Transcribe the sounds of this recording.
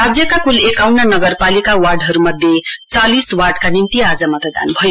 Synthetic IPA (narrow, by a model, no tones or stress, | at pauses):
ad͡zjʌkakulekawnanʌɡʌrpalikawarɖɦʌɾumʌd̪ʱjet͡saliswarɖkanint̪iad͡zamʌt̪ʌd̪a̰nbʱʌjo